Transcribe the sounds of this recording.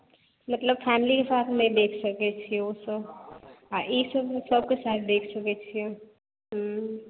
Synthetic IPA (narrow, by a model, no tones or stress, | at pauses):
mət̪ləbfʰɛːmlikesaːt̪ʰmẽd̪eːkʰsɐket͡ʃʰiosəbaisəbsəb̚kesaːt̪̚ʰd̪eːkʰsɐket͡ʃʰĩ | ɦ